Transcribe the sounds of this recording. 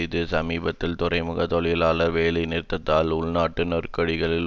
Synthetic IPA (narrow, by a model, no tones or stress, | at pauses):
ɪðɯsɐmiːbɐt̪ːɪlt̪ʊrɐɪmʊɣɐt̪ɔɭɐjɪlaːlɐɾʋeːlɐɪnɪɾɪt̪ːɐt̪ːaːlʊɭnaːʈːɯnɐɾkɐɽɪɣɐɭɪl